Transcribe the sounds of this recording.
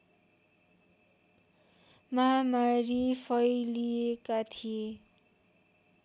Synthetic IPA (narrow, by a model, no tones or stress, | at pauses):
mʌɦamaɾipʰʌjliekat̪ʰie